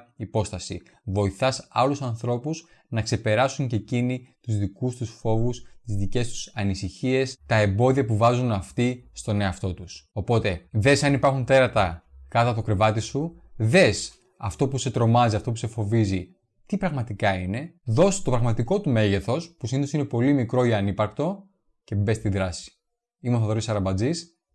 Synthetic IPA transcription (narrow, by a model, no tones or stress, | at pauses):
ipo̞st̪ɐsḭ | vo̞iθɐsɐlusɐnθɾo̞pus | nɐkse̞pe̞ɾɐsuɲce̞cinit̪uzðikust̪usfo̞vust̪izðice̞st̪u̥sɐnisiçie̞st̪ɐe̞mbo̞ðiɐpuvɐzunɐft̪ist̪o̞ne̞ɐft̪o̞t̪uso̞po̞t̪e̞ðe̞sɐnipɐɾxunt̪e̞ɾɐt̪ɐkɐt̪ɐt̪o̞kɾe̞vɐt̪isuðe̞s | ɐft̪o̞puse̞t̪ɾo̞mɐziɐft̪o̞puse̞fo̞vizi | t̪ipɾɐɣmɐt̪ikɐine̞ðo̞st̪o̞pɾɐɣmɐt̪iko̞t̪ume̞ʝe̞θo̞spusiniðosinepo̞limikɾo̞iɐnipɐɾkt̪o̞ | ce̞be̞st̪iðɾɐsi̥ | imoθɐðoɾisɐɾɐbɐd͡zis